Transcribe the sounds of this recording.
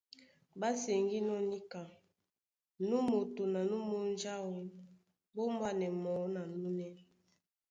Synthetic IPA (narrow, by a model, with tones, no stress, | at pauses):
ba˦sɛ˨ŋɡi˦nɔ˦ni˦ka˨ | nu˦mo˨to˨na˨nu˦mo˦nd͡ʒa˦wo˨ | bo˦mba˦nɛ˨mɔ˨˦na˨nu˦nɛ˦˨